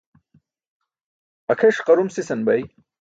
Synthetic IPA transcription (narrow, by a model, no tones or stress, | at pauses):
ɐkʰɐʂqɐɾumsisɐnbɐj